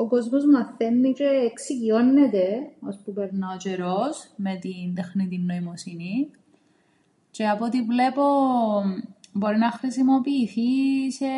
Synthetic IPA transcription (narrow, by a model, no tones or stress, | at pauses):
oko̞zmozmɐθenːit͡ʃe̞ːksicio̞nːet̪eospupeɾnɐot͡ʃeɾosmet̪int̪exnit̪inːoimosini | t͡ʃeɐpot̪ivle̞po | bo̞ɾinɐxɾisimo̞piːθise